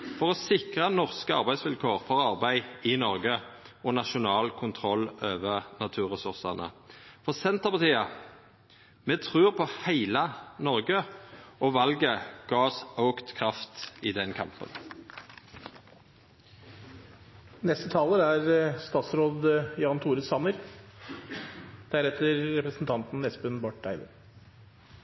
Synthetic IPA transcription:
fɔʁɔsɪkʁənɔʁskəɑ̰ʁbæɪsʋɪlkʰoːʁfɔʁɑʁbæɪɪnɔʁɡə | ʔɔnɑʃʊnɑːlkʰʊnt̪ʰʁɔlːøːʋəʁnɑt̪ʰʉːʁɛsʊʁsɑʁnə̰fɔʁsɛnt̪əʁpɑʁt̪iːɑ | mɛːt̪ʰʁʉːʁpʰɔhæɪlɑnɔʁɡəɔʋɑlɡəɡ̥ɑːsəʊkt̪kʰʁɑft̪iːd̪ɛnkʰɑ̰mpə̰n | nɛst̪ət̪ʰɑːləɾæɾst̪ɑːt̪sɾoːd̪jɑːnt̪ʰuːɾəsɑməɾ | d̪̥æɾɛt̪əɾːɛpɾəsn̩t̪ʰɑnt̪n̩ːɛsbʉnbɑʈ̚ɖ̪æɪʋ̪ə̰

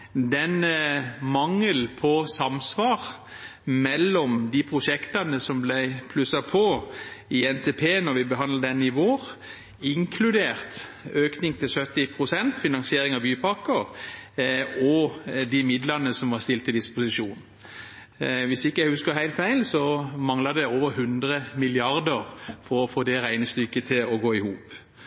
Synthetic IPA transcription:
d̪ɛnmɑŋːəlpʰɔsɑmsʋɑːʁ | mɛlːɔmd̪ɪpʰʁʊʂɛkt̪ɑnəsɔmblæɪpʰlʉsɑpʰɔɪɛnt̪ʰeːpʰeːnɔɾʋɪbəɦɑnləd̪ɛnːɪʋoːɾ | ɪŋkʰlʉd̪eːɾt̪øːknɪŋt̪ʰɪlsœt̪ːɪpʰɾʊsɛnt̪fɪnɑŋsɪeːɾɪŋɑbyːpʰɑkəɾ | ɔd̪ɪmɪd̪lɑnːəsɔmʋɑʁst̪ɪlt̪ɪd̪ɪspʊsɪʃuːn | ʋɪsɪkːəæɪhʉskəhæɪlfæɪlsɔmɑŋlɑd̪ɛoːʋəɾhʉnd̪ɾəmɪlɪɑɾd̪əʁfɔɾɔfoːd̪ɛɾæɪnəst̪ʏkːət̪ʰɪlɔɡoːɪhuːp

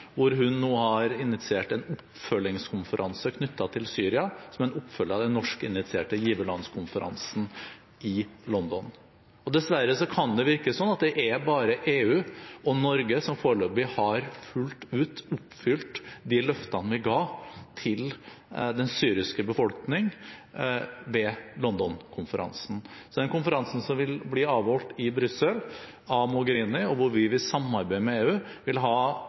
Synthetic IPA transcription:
ʋʊɾɦʉnːoːhɑɾɪnɪt̪sɪeːʈɛnʊpː | fœlːɪŋskʰʊnfəɾʔɑnsəkʰnʏt̪ːɑt̪ʰɪlsyːɾɪɑsɔmɛnʊpːfœlːɑd̪ɛnːɔʂkɪ̰nɪt̪sɪḛːʈəjiːʋəlɑnskʰʊnfəɾʔɑ̰nsn̩ | ɪlɔnd̪ɔn | ɔd̪ɛsʋæɾəsɔkʰɑnd̪ɛʋɪɾkəsɔnːɑt̪̚d̪ɛʔæbɑːɾəʔeːʉːɔnɔɾɡəsɔmfoːɾɭoːbɪhɑɾfʉlt̪ʉːt̪ʊpːfʏlt̪d̪ɪlœft̪ɑnʋɪɡɑːt̪ʰɪl | d̪ɛnsyːɾɪskəbəfɔlknɪŋ | ʋɛlɔnd̪ɔnkʰʊnfəɾʔɑ̰nsn̩ | sɔd̪ɛnkʊnfəɾɑnsn̩sɔmʋɪlbliːɑːʋhɔlt̪ɪbɾʏsəl | ɑmɔɡəɾiːnɪɔʋʊɾʋɪʋɪsɑmɑɾbæɪmɛeːʉː | ʋɪlɦɑː

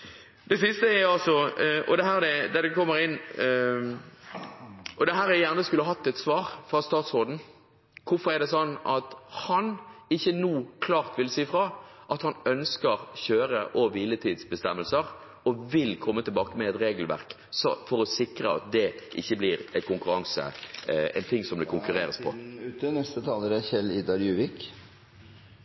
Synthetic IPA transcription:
d̪̥ɛsɪst̪əæɑlsɔɔ̰d̪ɛɦæːʁd̪ɛd̪æd̪ɛkʰɔmːəɾɪnː | ɔd̪ɛɦæːɾæjæʁnəskʉlːɑɦɑt̪ːɛt̪sʋɑːɾfɾɑst̪ɑːt̪soːd̪n̩ | kʰʊfɔʁɛʁd̪ɛsɔnːɑt̪hɑnɪçːənuːkʰlɑːʁt̪ʋɪlsiːfɾɑːʔɑt̪hɑnœnskəʁçøːɾəʔɔʋiːlət̪ʰiːd̪sbəst̪ɛmːəlsəɾ | ɔʋɪlkʰɔmːət̪ɪlbɑːkəmɛɛt̪ɾeːɡəlʋæ̰ɾk | sɔfɔɾɔsɪkɾəɑ̰t̪̚d̪ɛʔɪ̰çːəblɪɾɛkʊŋkʉɾɑŋsə̰ɛ̰ɪnt̪ʰɪŋsɔmd̪ɛkʰʊŋkʉɾeːɾəspʰɔ̰ʉːt̪ənɛst̪ət̪ʰɑːləɾɛçɛliːd̪ɑɾjʉːʋɪk

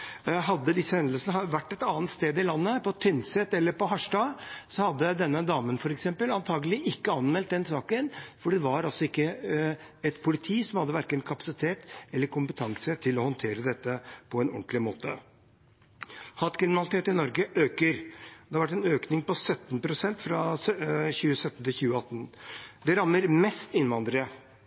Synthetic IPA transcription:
ɦɑd̪ːəd̪ɪsːəhɛnd̪lsənəʋæʈːɛt̪ɑːnt̪st̪eːd̪ɪlɑnːəpʰɔt̪ʰʏnsɛt̪ɛlːəɾpɔɦɑʂʈɑsɔhɑd̪ːəd̪ɛnːəd̪ɑːmənfɔɾɛksɛmpəlɑnt̪ʰɑːɡəlɪʔɪkːəɑnmɛlt̪̚d̪ɛnsɑːkənfɔɖɛʋɑɾɔsɔɪkːə | ɛt̪pʰʊlɪt̪ʰiːsɔmhɑd̪ːəʋæɾkənkʰɑpɑ̥sɪt̪ʰeːt̪ɛlːəɾkʰʊmpət̪ʰɑŋsət̪ʰɪlɔhɔnt̪ʰeːɾəd̪ɛt̪ːəpʰɔɛnɔ̰nt̪lɪmoːt̪ə | hɑːt̪kʰɾɪmɪnɑlɪt̪ʰeːt̪ɪnɔɾɡəʔøːkəɾd̪ɛhɑɾʋæʈ̬ːɛnøːknɪŋpɔsœt̪ːn̩pʰɾʊsɛnt̪fɾɑ | çʉːəsœt̪ːn̩t̪ʰɪlçʉːəɑt̪ːn̩d̪ɛɾɑmnəɾmɛst̪ɪnʋɑnd̪ɾəə

